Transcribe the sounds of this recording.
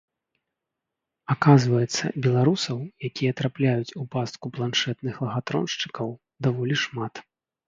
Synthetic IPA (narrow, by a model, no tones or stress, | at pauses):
akazvɐjɛt̪sːɐ̰bʲɛlˠaɾusɐwjakʲijɐt̪ɾaplʲajut͡sʲupast̪̚kuplˠanʂɛt̪nɨxlˠɐɣat̪ɾɔ̰nʂt͡ʂɨ̥kɐw | d̪avɔlʲiʂmat̪